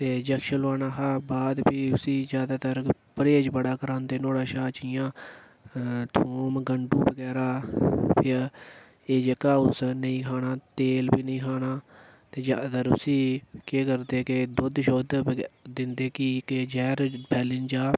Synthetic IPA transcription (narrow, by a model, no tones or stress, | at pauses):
t̪eːd͡ʒəkʃəlaːnaːɦaːbaːd̪pʰɪʊsiːd͡ʒjaːd̪aːt̪əɾpəɾeːd͡ʒbəɽaːkəɾãːnd̪eːnoːɽaːʃaːt͡ʃɪjãː | t̪ʰoːmɡəɳɖũːbəɡɛːɾaːpʰɪ | eːd͡ʒəkaːʊsnəĩːkʰaːnaːt̪eːlpiːnəĩːkʰaːnaː | t̪eːd͡ʒa̰ːd̪t̪əɾʊ̰siːkeːkəɾd̪eːkɪd̪ʊd̪ʃoːd̪d̪ɪnd̪eːkɪked͡ʒɛːɾbʰɛːlɪnd͡ʒaː